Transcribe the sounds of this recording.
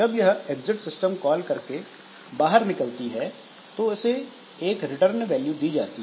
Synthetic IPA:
d͡ʒɐbjɐɦeɡzɪʈsɪsʈəmkɔːlkɐɾke | baːɦəɾnɪkəlt̪iɦɛ | t̪oʊse | eːkɾɪʈəɾnʋɛːljud̪iːd͡ʒa̰ːt̪iɦ

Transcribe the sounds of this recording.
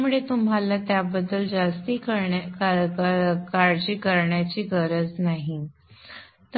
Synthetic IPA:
muɭet̪umɦalat̪jabəd̪ːəld͡zast̪iːkəɾ | kaɾd͡ʑiːkəɾɳjat͡ɕiːkəɾət͡snaɦi | t̪

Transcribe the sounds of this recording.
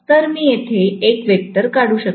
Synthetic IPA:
t̪əɾmiːjet̪ʰeekʋek̚t̪əɾkaɽuːɕək̚

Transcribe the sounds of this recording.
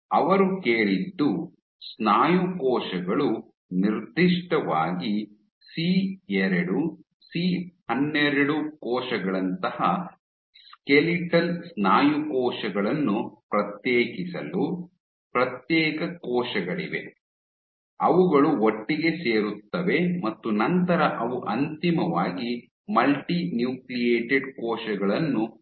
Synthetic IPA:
ɐʋɐɾukeːɭid̪ːu | snaːjukɔːʃɐɡɐɭu | niɾd̪ʱːiʂʈɐʋaːɡi | siɛɾɐɽu | sihɐnːɛɾɐɽukɔːʃɐɡɐɭɐnt̪ɐhɐ | skeliʈɐlsnaːjukɔːʂɐɡɐɭɐnːupɾɐt̪jeːkisɐ̰lu | pɾɐt̪jɛːkɐkɔːʃɐɡɐɭiʋe̞̰ | ɐʋuɡɐɭuoʈːiɡe̞se̞ːɾut̪ːɐʋe̞mɐt̪ːunɐnt̪ɐɾɐʔɐʋuʔɐnt̪imɐʋaːɡi | mɐlʈinjuːklijeːʈeɖkɔːʃɐɡɐɭɐnːu

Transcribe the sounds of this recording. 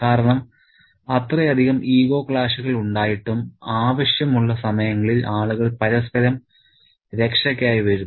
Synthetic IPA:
kaːɾɐɳɐm | ɐt̪rɐjɐd̪ʱiɣɐmʔiːɣo̞ːkɭaːʂuɣɐɭuɳɖaːjiʈːumaːʋɐɕjɐmuɭːɐsɐmɐjɐŋːɐɭilʔaːɭuɣɐɭpɐɾɐst̪ʰɐɾɐm | ɾe̞kʂɐkʲːaːjiʋɐɾunː

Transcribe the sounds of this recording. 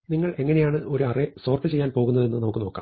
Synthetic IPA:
niŋːɐɭe̞ŋːɐne̞jaːɳɨʔo̞ɾuɐreso̞ːrpɨt͡ɕe̞jːaːnpo̞ːɣunːɐðe̞nːɨnɐmukːɨno̞ːkːa̰ːm

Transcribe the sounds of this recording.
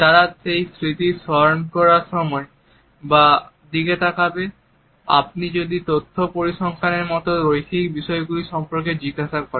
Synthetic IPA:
t̪aɹatejsɹit̪isɔjɔnkɔɹasɔmɔj | ba | d̪iɡetakabɛ | a̰p̚nizodit̪otʰːɔpoɹisɔŋkʰanɛɹmɔtɔɹojkʰik̚bisɔjɡulisɔmpɔɹk̬ɛziɡasakɔɹɛ

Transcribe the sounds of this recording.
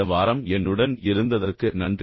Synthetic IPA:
ɐʋaːɾɐmɛnːɯɽɐnɪɾɯnd̪ɐðɐrkɯnɐɳdr

